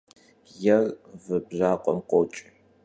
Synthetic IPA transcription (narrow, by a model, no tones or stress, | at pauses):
jɛrvɨbʑaːqʷʼɔ̰mqʷot͡ʃʼ